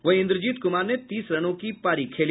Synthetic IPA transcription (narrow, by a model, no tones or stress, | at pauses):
ʋɐɦɪ̃nd̪ɾəd͡ʒiːt̪kʊmaːɾnet̪iːsɾɐɽ̃õkipaːɾikʰeːl